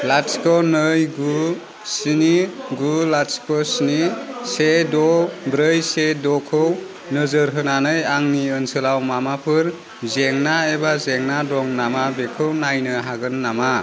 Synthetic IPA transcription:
laskɔnɯjɡu | siniɡulaskɔsinisedɔbɾəjsedɔkʰɯw | nɯzɯɾɦɯnanɯjaŋniɯnsɯlawmamapʰɯɾ | zeŋnaebazeŋnadɔŋnamabekʰɯwnajnɯɦaɡɯnːama

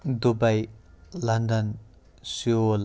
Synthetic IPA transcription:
d̪ubaj | lʌnd̪ʌn | siol

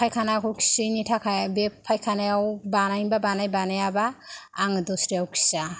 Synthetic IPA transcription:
pʰajkʰanakʰɔwkʰi̥sinitʰakʰajbepʰːajkʰanajawbanajbabanajbanajabaːŋdɔsɾijawkʰi̥sa

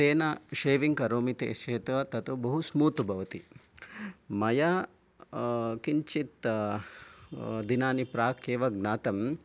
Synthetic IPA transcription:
seːnɐʃeːʋiŋkɐɾoːmit̪ḛːʃeːt̪ɐt̪ɐt̪ubɐɦusmuːt̪ubʱɐʋɐt̪i | mɐja | kiɲt͡ʃit̪ | d̪inaːnipɾaːkeːʋɐɡnaːt̪ɐm

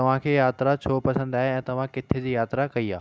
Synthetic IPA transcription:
ɐʋ̤ãkʰeːjaːt̪ɾat͡ɕʰoːpɐsə̃nd̪aːɦeɛ̃ːt̪ɐʋ̤ãkɪt̪ʰed͡ʑiːjaːt̪ɾakɐiaː

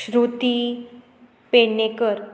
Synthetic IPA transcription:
ɕɾut̪i | penekəɾ

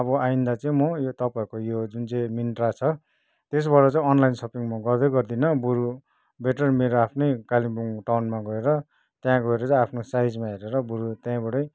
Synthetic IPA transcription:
ʌbʌaind̪at͡sʌĩmʌjot̪ʌpaikojod͡zunt͡saĩminʈrat͡sʰʌ | t̪es̬bʌʈʌt͡saĩʌnlajnsʌpiŋmʌɡʌrd̪ʌɡʌrd̪inʌbuɾu | beʈʌrmeɾoapʰnʌjkalibuŋʈawnmaɡʌeɾʌ | t̪jãɡʌeɾʌt͡sãĩapʰnosajd͡zmaɦeɾeɾʌbuɾut̪jãĩbʌɽʌj

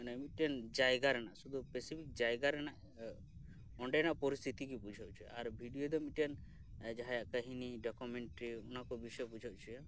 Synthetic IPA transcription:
namit̪̚ʈiand͡ʒajɡaɾɛnaʔsud̪ʱupesipʰik̚d͡ʒajɡaɾɛnaʔ | ɔɳɖɛjnaʔpɔɾist̪ʰit̪ikipud͡ʒʱaʔt͡ʃʰuja̰aɾbʱiɖijod̪ɔmiʈijan | d͡ʒaɦajaʔkəɦiniɖɔkumɛɳʈɾiunakɔbisɔjpud͡ʒʱaʔt͡ʃʰuja

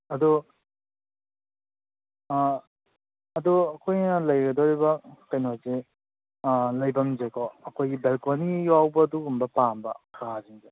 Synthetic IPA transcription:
ɐdu | ɐduɐkʰojnɐlɐjɡɐdoɾibɐkɐjnoze | lɐjbɐmzekʰɔɐkʰojɡibelkonijawbɐːduɡumbɐpambɐ̰kʰɾaziŋze

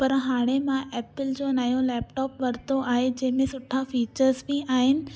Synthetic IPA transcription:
pɐɾɦaːɽ̃emãʔɛːpɪld͡ʑoːnɐjõlɛːpʈɔːpʋɐɾt̪oʔaːɦed͡ʑɐ̃ɦɪ̃mẽsʊʈʰafiːt͡ɕəɾzbiaːɦɪnɪ̆

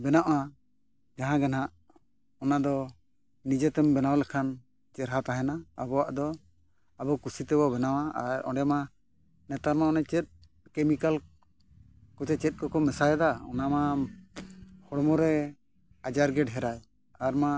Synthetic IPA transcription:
bɛnaʔa | d͡ʒaɦãɡɛnaʔ | ɔnad̪ɔ | nid͡ʒɛt̪ɛmbɛnawlɛkʰan | t͡ʃɛɾɦat̪aɦɛnaa̰bɔwaʔd̪ɔ | abɔkusit̪ɛbɔbɛnawaaɾɔ̰̃ɳɖɛma | nɛt̪aɾmaɔnat͡ʃɛt̪̚ | kɛmikal | kɔt͡ʃɛt͡ʃɛt̪̚ˀkɔkɔmɛsajd̪aɔ̰nama | hɔɽmɔɾɛ | ad͡ʒaɾɡɛɖɦɛɾaj | aɾma

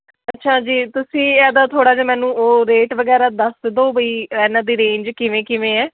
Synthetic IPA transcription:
ətːʃʰaːd͡ʒiːt̪ʊsĩːɛːd̪aːt̪ʰoːɽaːd͡ʒaːmɛ̃ːnũːoːɾeːʈʋəɡɛːɾaːd̪əsd̪oːbəiːɛːnãːd̪iːɾẽːɲd͡ʒkɪʋẽːkɪʋẽːɛː

